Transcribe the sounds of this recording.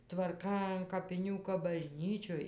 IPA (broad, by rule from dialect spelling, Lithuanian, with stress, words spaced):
tʋɐrˈkɐ ɐn kɐpʲɪˈnʲuː kɐp bɐˈʒʲnʲiːt͡ʃʲoːj